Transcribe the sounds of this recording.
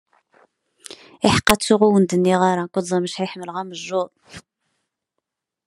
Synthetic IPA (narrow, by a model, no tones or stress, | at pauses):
ɪħə̥qːɑt͡sːuʁuwənd̪ənːiʁɑɾˤɑkʷəd̪zˤɑməʃhæjħmːəlʁaməʒːʊɾˤ